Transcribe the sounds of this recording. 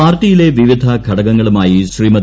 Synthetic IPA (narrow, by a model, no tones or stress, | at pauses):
aːrʈːijile̞ʋiʋid̪ʱɐkʰɐɽɐɣɐŋːɐɭumaːjiɕriːmɐd̪